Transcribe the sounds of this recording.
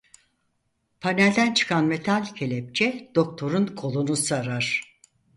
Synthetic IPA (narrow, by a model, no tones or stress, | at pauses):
pʰanælʲd̪ænt͡ʃʰɯ̥kʰanme̞t̪ʰalʲcʰelʲɛp̚t͡ʃʰɛd̪̥o̞k̚t̪ʰo̞ɾunkʰo̞lˠunusaɾaɾ̥